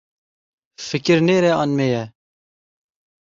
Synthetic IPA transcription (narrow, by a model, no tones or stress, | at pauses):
fɨkɪɾneːɾɛɑnmeːjɛ